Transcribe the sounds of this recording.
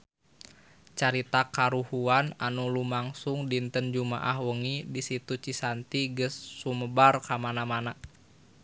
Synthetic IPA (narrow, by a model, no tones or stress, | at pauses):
t͡ʃaɾit̪akaɾuhuananulumaŋsuŋdint̪ənd͡ʒuma̰ʔahwəŋidisit̪ut͡ʃisant̪iɡəsːuməbarkamanamana